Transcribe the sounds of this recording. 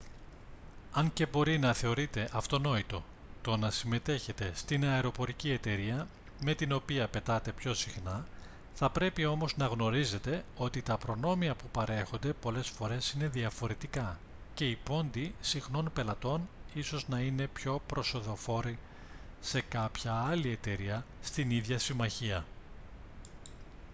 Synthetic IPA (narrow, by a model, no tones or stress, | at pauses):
ɐɲce̞bo̞ɾinɐθe̞o̞ɾit̪e̞ʔɐft̪o̞no̞it̪o̞ | t̪o̞nɐsime̞t̪e̞çe̞t̪e̞st̪inɐeɾo̞po̞ɾicie̞t̪e̞ɾiɐ | me̞t̪ino̞piɐpe̞t̪ɐt̪e̞pço̞sixnɐ | θɐpɾe̞pio̞mo̞znɐɣno̞ɾize̞t̪e̞o̞t̪it̪ɐpɾo̞no̞miɐpupɐɾe̞xo̞nd̪e̞po̞le̞sfo̞ɾe̞sine̞ðiɐfo̞ɾe̞t̪ikɐ | ce̞ipo̞nd̪isixno̞npe̞lɐt̪o̞niso̞znɐine̞pço̞pɾo̞so̞ðo̞fo̞ɾi | se̞kɐpçɐɐlie̞t̪e̞ɾiɐst̪iniðʝɐsimɐçiɐ